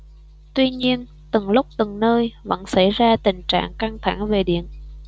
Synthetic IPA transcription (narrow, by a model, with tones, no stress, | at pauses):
t̪wi˧ɲi˧ən | t̪ɨ˨˩ŋlʊ˦˥k͡p̚t̪ɨ˨˩ŋnəː˧jvə̰˧˥nsa˧˥jzaː˧t̪ï˨˩ŋ̟t͡ɕa̰ː˧˨ŋka˧ŋt̪ʰa˧˩ŋve˨˩ɗḭ˧˨ən